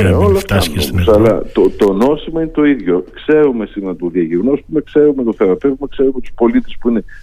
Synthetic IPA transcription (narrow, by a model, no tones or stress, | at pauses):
elosomosɐlɐ̰t̪ot̪o̞no̞simɐinet̪o̞iðʝo̞kse̞ɾumesimet̪oðjɐʝiɣnospumekse̞ɾume̞t̪oθeɾɐpe̞vimɐkse̞ɾumet̪u̥spo̞lit̪espuine̞